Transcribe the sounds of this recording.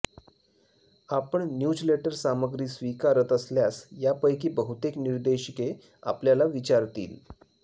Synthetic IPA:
apəɳnjud͡ʑleʈəɾsaməɡɾiːsʋikaɾət̪əsljasjapəjk̬iːbəɦut̪ekniɾd̪eɕike | a̰pljalaʋit͡ɕaɾt̪ḭːl

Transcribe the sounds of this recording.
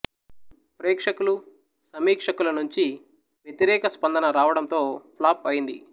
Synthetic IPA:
pɾɛːkʂɐkulu | sɐmiːkʂɐkulɐnuɲt͡ʃi | ʋjet̪iɾɛːkɐspɐnd̪ɐnɐɾaːʋɐɽɐnt̪o̞ːpʰlaːpɐjind̪ḭ

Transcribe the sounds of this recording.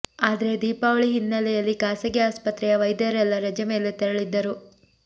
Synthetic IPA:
aːd̪ɐɾe̞d̪iːpaːʋɐɭiɦinːɐlɛjɐlːikaːsɐɡɛaːspɐt̪ɾɛjɐʋɐjd̪ɐɾɛlːɐɾɐd͡ʒɐme̞ːlet̪ɛɾɐɭid̪ːɐɾu

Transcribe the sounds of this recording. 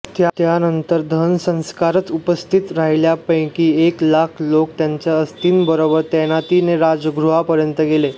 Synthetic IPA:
t̪jat̪janənt̪əɾd̪ʱənsə̃w̃skaɾət͡supəst̪ʰit̪ɾaɦiljapə̃j̃kiːeklakʰlokt̪jaɲt͡ɕjaəst̪iːnbəɾobəɾt̪enat̪ineɾad͡zəɡɾuɦapəɾjənt̪əɡele

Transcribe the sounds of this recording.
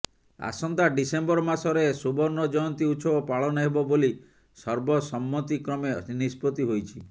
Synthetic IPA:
a̰sɔnt̪aɖisembɔɾɔmasɔɾesubɔɾnɔd͡ʒɔjɔnt̪iuʃʰɔbɔpaɭɔnɔɦebɔboli | sɔɾbɔsɔmːɔt̪ikɾɔmenispɔt̪iɦojt͡ʃʰi

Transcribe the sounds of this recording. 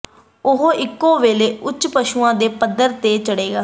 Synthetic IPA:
ʊɦoʔɪkːõːʋeːleːʔʊt͡ʃːpəʃuːãːd̪eːpəd̪əɾt̪eːt͡ʃəɽeːɡaː

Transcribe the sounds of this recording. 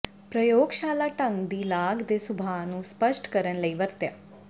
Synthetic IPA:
pɾəjoːɡʃaːlaːʈə̃ŋɡd̪iːlaːɡd̪eːsʊbʱaːnũːspəʃʈkəɾənləiːʋəɾt̪ja̰ː

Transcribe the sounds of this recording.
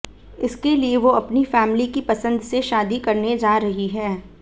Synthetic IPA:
ɪskelieʋoɐpnifɛːmlikipɐsə̃nd̪seʃaːd̪ikɐɾned͡ʒaːɾɐɦiɦɛː

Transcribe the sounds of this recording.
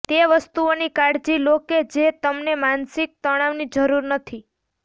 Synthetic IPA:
t̪eʋəst̪uonikaɽd͡ʒiloked͡ʒet̪əmnemansɪk̚t̪əɽ̃aʋnid͡ʒəɾuɾnət̪ʰi

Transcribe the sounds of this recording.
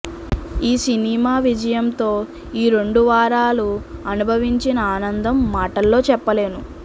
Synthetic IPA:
iːsinimaːʋid͡ʒɐjɐmt̪o̞ː | iːɾeɳɖuʋaːɾaːluɐnubʱɐʋiɲt͡ʃinɐaːnɐnd̪ɐmːaːʈɐlːo̞ːt͡ʃɛpːɐle̞ːnu

